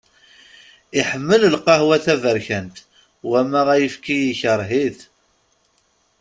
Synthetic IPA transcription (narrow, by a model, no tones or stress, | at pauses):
iħəmːələlqɑhwæθævəɾçənt̪ | wæmæʁæjəfkijiçəɾˤɦiθ